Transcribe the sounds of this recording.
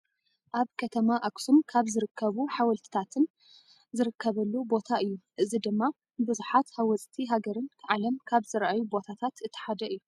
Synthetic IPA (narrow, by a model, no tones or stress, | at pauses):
ʔaβkʰɐt̪ʰɐmaʔaksumkʰaβzɨɾɨkʰːɐβuħawɐlt̪ʰi̥t̪ʰat̪ʰɨn | zɨɾɨkʰːɐβɐlːubo̞t̪ʰaɨjːuʔɨzid̪ɨmːa | bɨzuħat̪hawɔt͡sʼt̪ʰiɦaɡɐɾɨnkʰɐʕalɐmkʰaβzɨɾʔajubo̞t̪ʰat̪ʰat̪ɨt̪ʰːɐ̥ħad̪ɐʔɨjːu